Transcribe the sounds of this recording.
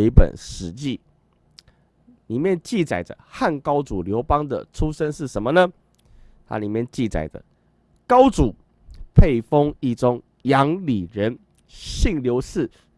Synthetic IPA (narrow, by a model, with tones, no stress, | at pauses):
pə̰˨˩nʂɻ̩˧˦t͡ɕi˥˨ | li˨˩mjɛ˥˨nt͡ɕi˥˨˩t͡sa˨˩ɪdə̰˦xa˥˩nkɑ˥ʊt͡su˨˩ljo˧˥ʊpɑ˦ŋd̪ə̰˨ʈ͡ʂʰu˥˦ʂə˦nʂɻ̩˥˩ʂə˧˦nmə˧nə˧ | t̪ʰa̰˦li˨˩mjɛ˥˨nt͡ɕi˥˩t͡sa̰˨˩ɪd̪ə̰˦ | kɑ˦˥ʊt͡su˨˩˦ | pʰe˥˩ɪfo˦ŋi˥˩ʈ͡ʂʊ˦ŋ | jɑ˧˦˥ŋli˨˩ɻə˨˦n | ɕi˥˨ŋljo˧˥ʊsɹ̩˥˩